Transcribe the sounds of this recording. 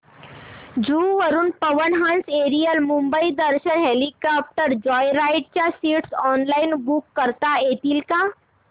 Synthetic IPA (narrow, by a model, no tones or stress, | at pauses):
d͡ʒuːʋəɾunpəʋəɾnɦãnseːɾijəlmũmbəid̪əɾʃənɦelikap̚ʈəɾd͡ʒɔːjɾaːɪʈ̚t͡ʃasiːʈsɔːnlaːinbukːəɾt̪aeːt̪ilka